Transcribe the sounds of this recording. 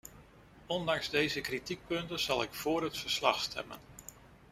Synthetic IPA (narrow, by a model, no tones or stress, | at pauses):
ɔndɑŋzdejzəkritik̚pɵntənz̥ɑlˠɪkfʊːɾɦətfəɹslɑχstʰɛ̰mə̰n